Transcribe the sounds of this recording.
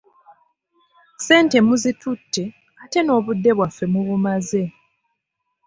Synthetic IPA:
se̞ːnte̞muzitutːe̞ | ate̞no̞ːβudːe̞βwafːe̞muβumaze̞

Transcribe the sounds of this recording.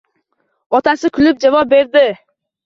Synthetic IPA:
ɒt̪ʰasɪkʰʊlɪp̚d͡ʒavɒp̚be̞ɾd̪ɪ

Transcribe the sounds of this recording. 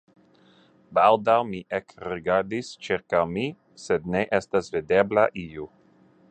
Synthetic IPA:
bald̪awmiʔekɾiɡaɾdist͡ʃiɾkawmi | sed̪neʔestasvideblaʔiu

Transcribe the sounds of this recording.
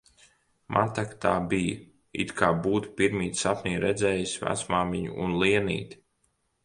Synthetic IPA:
mʔat̪akt̪aːbij | ḭt̪kʰaːbuːt̪piɾmiːt̪sapnʲiːɾɛd̪zʲɛːjisʲvæ̰t̪smaːmiɲṵʔunlˠiɛnḭːt̪ʲi̥

